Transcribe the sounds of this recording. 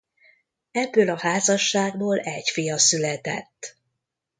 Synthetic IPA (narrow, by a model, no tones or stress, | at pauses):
ɛbːøːlɒhaːzɒʃːaːɡ̚boːlɛcfijɒsylɛt̪ɛ̰t̪ː